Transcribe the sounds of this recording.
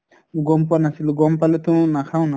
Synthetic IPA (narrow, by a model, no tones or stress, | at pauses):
uɡɔmpuanasiluɡɔmpalet̪unakʰaw̃na